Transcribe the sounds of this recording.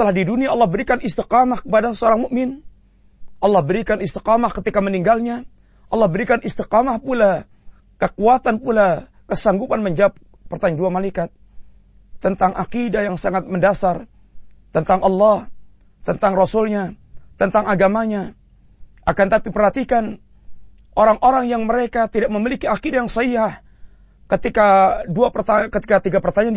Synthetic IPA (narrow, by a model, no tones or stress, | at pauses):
t̪əlahdiduniaɑlːɑhbəɾikanɪst̪iqamahkəpadaəsəoɾaŋmʊʔmɪn | ʔɑlːɑhbəɾikanɪst̪i̥qamahkət̪ikaməniŋɡalɲa | ʔɑlːɑhbəɾikanʔɪst̪iqamahpula | kəkuat̪anpula | kəsaŋɡupanməɲd͡ʒap̚ | pərt̪aɲd͡ʒuanmalaikat̪̚ː | ənt̪aŋʔa̰kidajaŋsaŋat̪̚məndasar | t̪ənt̪aŋʔɑlːɑh | t̪ənt̪aŋrɔsʊlɲat̪ənt̪aŋaɡamaɲa | ʔakant̪apipərhat̪ikan | ʔoɾaŋʔoɾaŋjaŋməɾekat̪idak̚məmilikiakidajaŋsiah | kət̪ikaduapərt̪akət̪i̥kat̪iɡapərt̪aɲan